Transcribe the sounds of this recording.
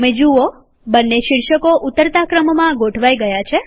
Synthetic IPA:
mẽd͡ʒuo | bənːeʃiɾʃəkoʔut̪ːəɾt̪akɾəmmãɡoʈʰʋajɡəjat͡ʃʰe

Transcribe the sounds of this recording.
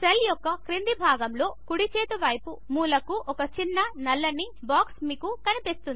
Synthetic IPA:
seljɔkːɐkɾind̪ibʱaːɡɐmlo̞ːkuɽit͡ʃeːt̪uʋɐjpumuːlɐkuʔɔkɐt͡ʃinːɐnɐlːɐnːi | baːksmiːkukɐnipist̪uni

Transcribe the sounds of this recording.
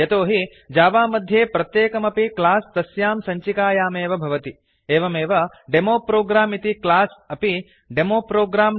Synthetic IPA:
jɐt̪oːɦi | d͡ʒaːʋaːmɐd̪ʱjeːpɾɐt̪jeːkɐmɐpiklaːst̪ɐsjaːmsɐɲt͡ʃikaːjaːmeːʋɐbʱɐʋɐt̪i | eːʋɐmeːʋɐ | ɖemoːpɾoːɡɾaːmit̪iklaːsɐpi | ɖemoːpɾoːɡɾaːm

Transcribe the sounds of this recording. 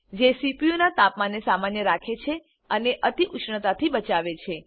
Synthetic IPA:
d͡ʒesipijonat̪apmanːesamanjəɾakʰet͡ʃʰe | əneʔət̪iʔʊʃɳət̪at̪ʰibət͡ʃaʋet͡ʃʰe

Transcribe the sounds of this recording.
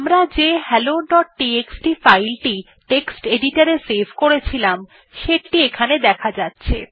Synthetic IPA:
amɾad͡ʑeɦɛloɖɔʈ̚ːieksʈifajlʈi | ʈeksʈeɖiʈaɾesebʱkoɾet͡ɕʰilam | ʃeʈːiekʰaned̪ɛkʰad͡ʑatːɕʰḛ

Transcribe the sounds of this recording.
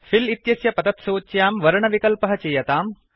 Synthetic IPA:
filit̪jɐsjɐpɐd̪ɐt̪soːt͡ʃjaːmʋɐɾɐɳɐʋikɐlpɐɦɐt͡ʃeːjɐt̪aːm

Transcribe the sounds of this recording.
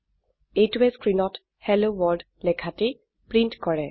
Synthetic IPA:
ejtuɛskɹinɔt | hɛlowɔɹd | lɛkʰate | pɹintkɔɹɛ

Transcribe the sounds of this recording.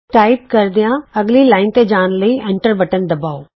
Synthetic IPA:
ʈaːɪpkɐɾd̪ijãɐɡlilaːɪnt̪ed͡ʒaːnləiɛ̃ɳʈəɾʋɐʈənd̪ɐbaːoː

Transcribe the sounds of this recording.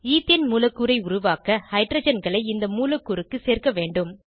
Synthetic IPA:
iːt̪ɪjɐnmuːlɐkːuːɾɐɪʊɾʊʋaːkɐhɐɪʈɾɐd͡ʒɐnɡɐɭɐɪɪnd̪ɐmuːlɐkːuːɾɯkːɯseːɾkɐʋeːɳɖɯm

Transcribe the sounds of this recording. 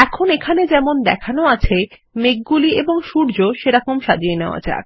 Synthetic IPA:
ɛkʰonekʰaned͡ʑɛmond̪ɛ̰kʰanoat͡ɕʰe | meɡ̚ɡulieboŋʃuɾd͡ʑoʃeɾɔkomʃad͡ʑieneoa̰t͡ɕa̰ɾ

